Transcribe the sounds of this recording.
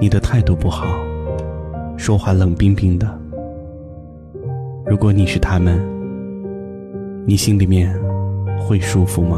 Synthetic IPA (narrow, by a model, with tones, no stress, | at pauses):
ni˨˩d̪ə˦t̪ʰa˥˧ɪt̪u˥˧pu˥˩xɑ˨˩˦ʊ | ʂwɔ˥xwa˥˩lɤ˨˩ŋpi˥ŋpi˥ŋd̪ə˨ | ɻu˧˥kwɔ˧˥˦ni˨˩ʂɻ̩˥˩t̪ʰa˥mə˨n | ni˨˩ɕi˥ŋli˨˩mjɛ˥˧n | xwe˥˩ɪʂu˥fu˨˩mɐ˦